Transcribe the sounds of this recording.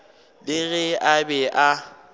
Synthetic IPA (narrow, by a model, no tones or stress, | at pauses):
bɪɣɪabɛʔa